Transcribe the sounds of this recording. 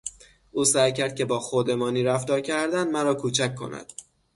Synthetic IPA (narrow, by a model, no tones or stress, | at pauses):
ʔuːsæjcʰæɾd̪̥̚cʰe̞bɒːxod̪e̞mɒːniːɾæft̪ɒːɾcʰæɾd̪ænmæɾɒːkʰuːt͡ʃʰæcʰkːo̞̰næ̰d̪̥